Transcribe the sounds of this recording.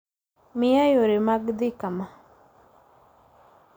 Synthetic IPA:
mɪjajoɾɪmaɡd̪ɪkama

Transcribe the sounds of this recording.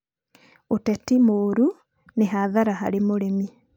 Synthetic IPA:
otɛtimoːɾu | neɦaðaɾaha̰ɾemoɾemi

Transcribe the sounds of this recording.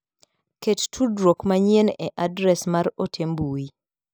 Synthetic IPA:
kettʰudɾokmaɲjeneʔadɾɛsmaɾotʰembui

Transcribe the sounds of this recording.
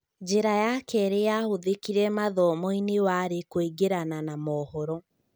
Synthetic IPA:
d͡ʒeɾajakɛɾeahoðekiɾɛmaðɔmɔinewaɾekoiɡeɾananamɔːhɔɾɔ

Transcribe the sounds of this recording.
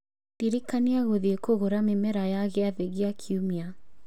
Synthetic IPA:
tiɾekaniaɣoðiekoɣoɾamemɛɾajaɣeaðeɣeakʰiumia

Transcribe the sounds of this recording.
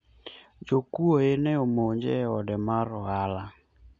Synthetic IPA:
d͡ʒokuoenɛomoɲd͡ʒɛ̰ɔdɛmaɾɔala

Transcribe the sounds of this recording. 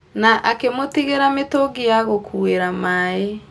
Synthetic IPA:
naʔakemotiɣeɾametoɡijaɣokʰueɾamae

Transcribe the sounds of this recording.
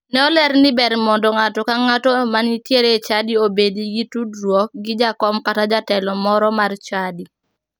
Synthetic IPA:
nɛɔlɛɾnɪbɛɾmɔndɔŋatɔkaŋatɔmanitjeɾet͡ʃadiobediɡitudɾwɔk̚ɡɪd͡ʒakɔmkatad͡ʒatɛlɔmɔɾɔmart͡ʃadi

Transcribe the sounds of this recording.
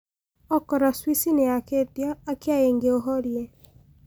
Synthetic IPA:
ɔkɔɾɔswisinɛaketjaːkiajeŋɡeoɦɔɾje

